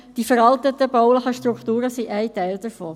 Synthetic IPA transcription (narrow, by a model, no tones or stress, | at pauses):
d̥ifəɾɑltətəbɔʊləχəʃtɾukʰt̪uːɾəsiʔæɪtæɪld̥əɾfɔː